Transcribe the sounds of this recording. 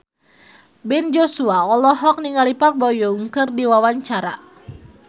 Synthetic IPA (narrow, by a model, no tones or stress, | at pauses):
bɛnd͡ʒɔsuaɔlɔɦɔk̚niŋalipak̚bɔjuŋkɨrdiwawaɲt͡ʃaɾa